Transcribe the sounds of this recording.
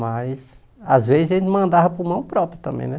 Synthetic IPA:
majs | azvezɪzaɐʒẽnt̪ɪmɐ̃nd̪avɐpʊɾmɐ̃w̃pɾɔpɾjɐt̪ɐ̃mbḛ̃j̃nɛ

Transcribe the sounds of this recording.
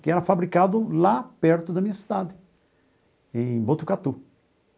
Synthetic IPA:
kɪɛɾɐfabɾikad̪ʊlapɛɾt̪ʊd̪ɐmĩɲɐsi̥d̪ad̪ɪ | ẽj̃bot̪ukat̪u

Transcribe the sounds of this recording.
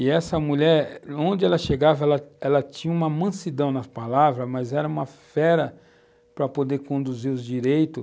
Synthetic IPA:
ɪɛsɐmuʎɛɾõnd͡ʒɪɛlɐʃeɡavɐɛlɐɛlɐt͡ʃĩɲɐũmɐmɐ̃sid̪ɐ̃w̃nɐpalavɾɐmɐzɛɾɐũmɐfɛɾɐ | pɾɐpod̪eɾkõnd̪uziɾʊzd͡ʒiɾejt̪ʊ

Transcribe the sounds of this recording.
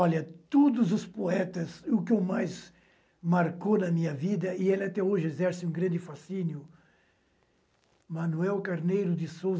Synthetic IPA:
ɔʎɐt̪od̪ʊzʊspoɛt̪ɐzʊkɪʊmajz | maɾkonɐmĩɲɐvid̪ɐɪelɪat̪ɛoʒɪezɛɾsɪũɡɾɐ̃nd̪ɪfasinjʊ | mɐ̃nuɛwkaɾnejɾʊd̪ɪsowz

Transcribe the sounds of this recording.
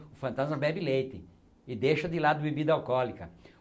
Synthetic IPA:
ʊfɐ̃nt̪azmɐbɛbɪlejt̪ɪ | ɪd̪eʃɐd̪ɪlad̪ʊbebid̪ɐawkɔlikɐ

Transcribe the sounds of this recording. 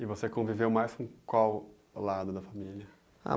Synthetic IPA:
ɪvosekõvivewmajskõkwaw | lad̪ʊd̪ɐfamiliɐ | a̰

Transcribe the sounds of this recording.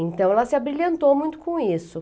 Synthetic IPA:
ẽnt̪ɐ̃w̃ɛlɐsɪabɾilɐ̃nt̪owmũj̃t̪ʊ̥kõisʊ

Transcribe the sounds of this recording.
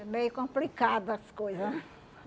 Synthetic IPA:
ɛmejʊkõmplikad̪ʊɐskojzɐ

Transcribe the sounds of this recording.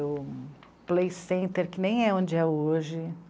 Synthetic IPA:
ʊ | plejsẽnt̪eɾkɪnẽj̃ɛõd͡ʒɪɛoʒɪ

